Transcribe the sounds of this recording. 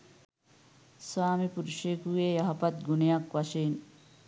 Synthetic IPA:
saːmipuɾuʂeːkuɡeːjɐɦɐpɐt̪ɡunejɐkʋɐʃeːn

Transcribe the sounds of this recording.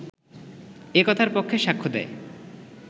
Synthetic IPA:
ekɔt̪ʰaɾpokʰːeʃakʰːod̪ɛ̰e

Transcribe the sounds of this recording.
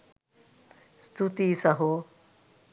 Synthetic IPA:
st̪ʰut̪isɐɦo

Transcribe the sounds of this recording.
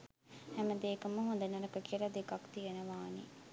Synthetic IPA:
hæməd̪eːkəməɦund̪ənɐɾəkəkiəlad̪ekakt̪ijənəʋaːnḭ

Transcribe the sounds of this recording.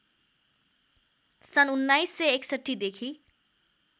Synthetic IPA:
sʌnunːajsːeeksʌʈːid̪ekʰi

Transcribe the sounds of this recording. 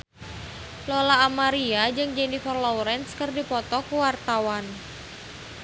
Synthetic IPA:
lɔlaːmaɾiad͡ʒɨŋd͡ʒɛnifɛrlɔwɾɛnskərdipɔt̪ɔkuwart̪awan

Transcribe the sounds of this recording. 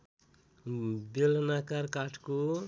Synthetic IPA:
belnakaɾkaʈʰko

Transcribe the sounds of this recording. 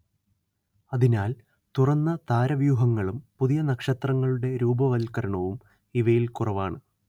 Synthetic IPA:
ɐðinaːl | t̪urɐnːɐt̪aːɾɐʋjuːɦɐŋːɐɭumpuðijɐnɐkʂɐt̪rɐŋːɐɭuɽe̞ɾuːbɐʋɐlkɐɾɐɳɐʋum | iʋɐjilkurɐʋaːɳɨ

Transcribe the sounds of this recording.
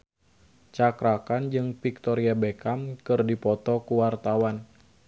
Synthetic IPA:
t͡ʃakɾakand͡ʒɨŋfik̚t̪ɔɾiabekamkɨrdipɔt̪ɔkuwart̪awan

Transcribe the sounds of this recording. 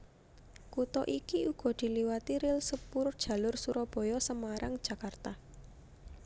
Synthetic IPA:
kut̪ɔʔikiuɡ̥ɔ̤d̪̥i̤liwat̪iɾɪlsəpʊrd̥ʒ̥ä̤lʊrsuɾɔb̥ɔ̤jɔsəmaɾaŋd̥ʒ̥ä̤kart̪a

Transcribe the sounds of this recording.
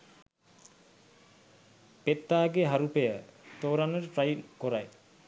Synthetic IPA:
pet̪ːaːɡeɦaɾupejət̪oːɾanəɾʈɾajlkoɾaj

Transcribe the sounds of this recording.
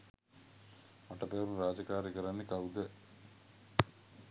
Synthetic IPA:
mɐʈːɐpeːɾumɾaːd͡ʒɐkaːɾɐkɐɾanːikɐwd̪e

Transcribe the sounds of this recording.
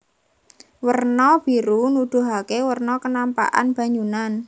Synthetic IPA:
wərnɔb̥i̤ɾunud̪̥ṳɦakewərnɔkənampa̰ʔa̰nb̥a̤ɲunan

